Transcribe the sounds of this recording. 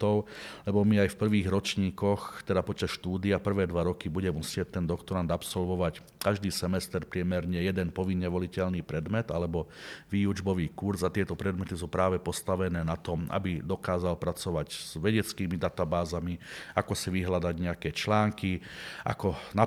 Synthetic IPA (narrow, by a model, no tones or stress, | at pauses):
ɔʊlɛbɔmiajfpr̩ʋiːɣɾɔt͡ʃɲiːkɔxt̪ɛd̪apɔt͡ʃasʃt̪uːd̪iapr̩ʋɛːd̪ʋaɾɔkibuɟɛmusɪɛc̚t̪ɛnd̪ɔkt̪ɔɾand̪apsɔlʋɔʋac | kaʒd̪iːsɛmɛst̪ɛɾpɾɪɛmɛɾɲɛjɛd̪ɛnpɔʋinːɛʋɔlicɛlniːpɾɛd̪mɛd̪alɛbɔʋiːud͡ʒbɔʋiːkuɾzat̪ɪɛt̪ɔpɾɛd̪mɛt̪is̬uːpɾaːʋɛpɔst̪aʋɛnɛːnat̪ɔma̰bid̪ɔkaːzalpɾat͡sɔʋaɟz̥ʋɛɟɛt͡skiːmid̪at̪abaːzamiakɔsiʋiɦlad̪aɟɲɛakɛt͡ʃlaːŋkiʔa̰kɔna